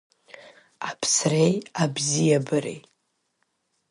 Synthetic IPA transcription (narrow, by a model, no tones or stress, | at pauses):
apʰsrejabzijabɨɾḛj